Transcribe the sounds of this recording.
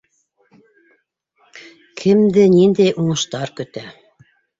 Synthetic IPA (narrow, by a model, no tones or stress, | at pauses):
kʰɘ̆md̪ɘnind̪æjʔuɴɤ̆ʃt̪ɑɾkɵ̆t̪æ